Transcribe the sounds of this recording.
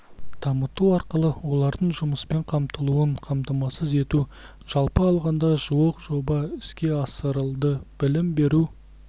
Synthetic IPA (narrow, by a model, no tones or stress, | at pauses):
t̪ʰɑmət̪uɑɾqəlˠəwo̞lˠɑɾd̪əɴʒʊməspe̞ɴqʰɑmt̪əlˠuəɴqʰɑmt̪ɑmɑsəze̞t̪u | ʒ̥ɑlˠpəɑlˠʁɑnd̪ɑʒuwoqʒo̞bɑɪskʲe̞ɑsəɾəlˠd̪əb̥ɪlɪmbe̞ɾu